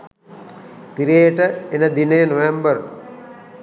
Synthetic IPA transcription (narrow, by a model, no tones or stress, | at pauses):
p̪iɾeːəʈəenəd̪inejnoʋembəɾ